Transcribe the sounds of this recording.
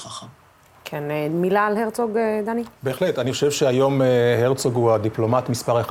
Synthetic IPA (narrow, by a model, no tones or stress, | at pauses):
aχa | kʰenemilaːlheʁt͡soɡed̪anibeːχlet̪aniχo̞ʃevʃeajo̞meheʁt͡soɡuad̪iplo̞mat̪mispaʁe